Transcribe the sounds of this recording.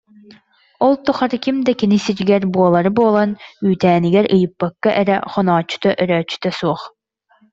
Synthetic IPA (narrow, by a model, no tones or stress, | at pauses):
ɔlˠt̪uχɑɾɯkʲimd̪ɛkʲinisid͡ʒiɡɛɾbuɔlˠɐɾɯboːlˠɑnyːt̪æːniɡɛɾɯjɯpːɑkːɑʔɛɾɛχɔnɑːt͡ʃy̥t̪ɔʔœɾœːt͡ʃy̥t̪ɛsuɔχ